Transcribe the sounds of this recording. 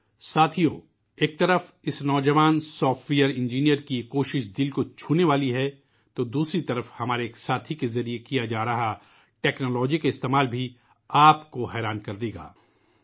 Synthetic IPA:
saːt̪ʰijoː | eːk̚t̪ɐɾəf | ɪsnɔːd͡ʒɐʋaːnsɔːfʈwijəɾɪ̃nd͡ʒiːnijəɾkikoːʃɪʃd̪ɪlkot͡ʃʰuːneʋaːliɦɛ | t̪od̪uːsɾit̪ɐɾəfhɐmaːɾeːksaːt̪ʰikezɐɾijekijad͡ʒaːɾɐɦa | ʈɛːknoːlɔːd͡ʒikaɪst̪eːmaːlbʱi | aːpkoɦɛːɾaːnkɐɾd̪eːɡa̰ː

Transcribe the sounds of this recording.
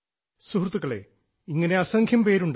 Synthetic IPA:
suhrt̪ːuɣɐɭḛ | iŋːɐne̞ɐsɐŋkʰjɐmpe̞ːɾuɳɖ

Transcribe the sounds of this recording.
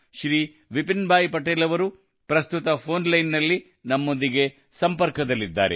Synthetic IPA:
ʃɾiː | ʋipinbʱaːjpɐʈeːlɐʋɐɾu | pɾɐst̪ut̪ɐpʰo̞ːnlɐjnːɐlːi | nɐmːo̞nd̪iɡe̞ | sɐmpɐɾkɐd̪ɐlːid̪ːa̰ːɾe

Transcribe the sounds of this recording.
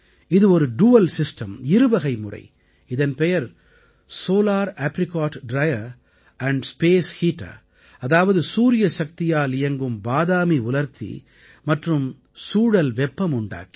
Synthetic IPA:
ɪðɯɔɾɯɖuːɐlsɪsʈɐmɪɾɯʋɐɣɐɪmʊrɐ̰ɪ | ɪðɐnpɛjɐɾ | soːlaːɾaːpɾɪkaːʈɖɾɐjɐɾ | ɐɳɖspeːshiːʈa̰ː | ɐðaːʋɐðɯsuːɾɪjɐʃɐkt̪ɪjaːlɪjɐŋɡɯmbaːðaːmiʊlɐɾt̪ʰḭ | mɐʈrɯm | suːɽɐlʋɛpːɐmʊɳɖa̰ːki̥

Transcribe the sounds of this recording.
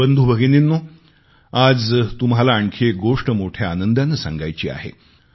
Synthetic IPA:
ənd̪ʱuːbʱəɡeninːo | ad͡zt̪umɦalaːɳkʰeɡoʂʈəmoʈʰjaːnənd̪ʱanːəsa̰ŋɡajt͡ɕiːa̰ɦḛ

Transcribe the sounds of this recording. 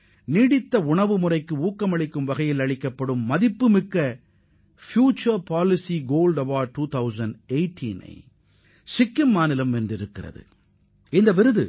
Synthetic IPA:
niːɽɪt̪ːɐʊɳɐʋɯmʊrɐɪkːɯuːkːɐmɐɭɪkːɯmʋɐɣɐjɪlɐɭɪkːɐpːɐɽɯmːɐðɪpːɯmɪkːɐ | fjuːt͡ʃːɐɾpaːlɪsiɡoːlɖɐʋaːɖ̚ʈːuːt̪ʰɐʊzɐnɖeɪʈʰːḭnɐ̰ɪ | sɪkːɪmːaːnɪlɐmɛndrɪɾɯkːɪrɐ̰ðɯ̰ | ɪnd̪ɐʋɪɾɯðɯ̰

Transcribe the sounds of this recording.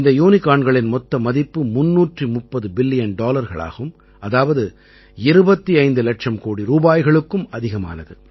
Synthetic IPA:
ɪnd̪ɐjuːnɪkaːɳɡɐɭɪnmɔt̪ːɐmɐðɪpːɯmʊnːuːʈrimʊpːɐðɯbɪlːɪjɐnɖoːlɐɾɣɐ̰ɭa̰ːɣɯm | ɐðaːʋɐðɯ | ɪɾɯbɐt̪ːiɐɪnd̪ɯlɐʈʂɐmkoːɽiɾuːbaːjɣɐɭɯkːɯmɐðɪɣɐma̰ːnɐðɯ

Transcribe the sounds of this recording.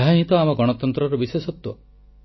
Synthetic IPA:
ɦaɦĩt̪ɔamɔɡɔɽ̃ɔt̪ɔnt̪ɾɔɾɔbisesɔt̪wɔ̰

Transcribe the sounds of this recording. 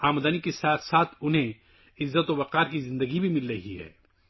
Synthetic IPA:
aːmd̪ənikesaːt̪ʰsaːt̪ʰʊnɦẽ | ɪzːət̪obɐqaːɾkizɪ̃nd̪əɡibʱimɪlɾɐɦiɦɛ̰ː

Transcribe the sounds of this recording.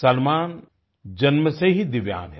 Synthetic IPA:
sɐlmaːn | d͡ʒɐnməseɦid̪ɪʋja̰ːnɦɛ

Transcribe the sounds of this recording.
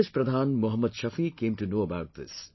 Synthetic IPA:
ɪspɾɐd̪ʱaːnmʊɦəmːəd̪ʃɐfikẽːmtunoːəbaʊt̪̚ðɪ̰s

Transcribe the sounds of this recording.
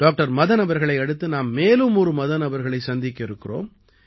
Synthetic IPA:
ɖ̥aːk̚ʈɐɾmɐðɐnɐbɐɾɣɐɭɐɪɐɽɯt̪ːɯnaːmːeːlɯmɔɾɯmɐðɐnɐbɐɾɣɐɭɐɪsɐnd̪ɪkːɐɪɾɯkːɪro̰ːm

